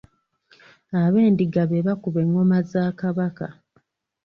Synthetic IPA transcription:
aβe̞ːndiɡaβeβakuβe̞ŋːo̞mazaːkaβaka

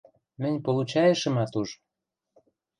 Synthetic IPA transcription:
mə̆nʲpolut͡ɕɑjə̆ʃə̆mɑt̪uʒ

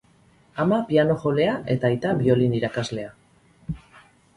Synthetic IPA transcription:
amapiano̞xo̞le̞aʔe̞t̪aːjt̪aβio̞liniɾakazle̞a

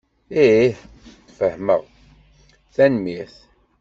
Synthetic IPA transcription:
iiħ | fəhmə̰ʁ | θænmiθ

